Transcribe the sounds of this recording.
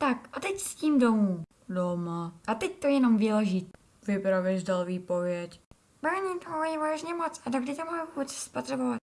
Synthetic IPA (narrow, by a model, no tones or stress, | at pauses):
t̪akʔat̪ɛcsciːmdomuː | domaʔat̪ɛct̪ojɛno̞mviːlɛʒit̪ | vɪpɾavɛʒdalviːpo̞vjɛc | bavɛɲiːt̪oɦjɛvaʒɲɛmot͡sadoɡdɪt̪amajvuːbɛt͡sspot̪r̥ɛbovat̪